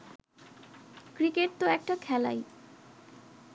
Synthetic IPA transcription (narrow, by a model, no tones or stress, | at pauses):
kɾikeʈ̚t̪oɛk̚ʈakʰɛla̰j